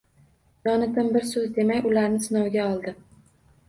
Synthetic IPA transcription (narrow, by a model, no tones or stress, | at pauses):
jɒnɪt̪ɪmbɪɾsɵzd̪e̞makʲʊlaɾnɪsɪnɒwɡʲaɒlˠd̪ɪ